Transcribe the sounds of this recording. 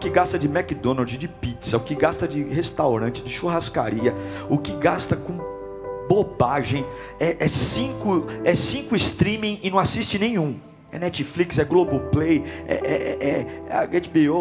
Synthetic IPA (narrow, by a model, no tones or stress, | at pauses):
ʊkɪɡast̪ɐd͡ʒɪmɛkɪd̪õnaɾd͡ʒɪd͡ʒɪpit̪sɐʊkɪɡast̪ɐd͡ʒɪhest̪awɾɐ̃t͡ʃɪd͡ʒɪʃoɦaska̰ɾiɐʊkɪɡast̪ɐkõ | bobaʒẽj̃ | ɛʔɛsĩkʊɛsĩŋkʊɪst̪ɾĩmĩj̃ɪnɐ̃w̃asist͡ʃɪnẽj̃ũ | ɛ̰nɛt͡ʃɪfliksɛɡloboplejɛ̰ʔɛɛɛɐ̰ɡet͡ʃbio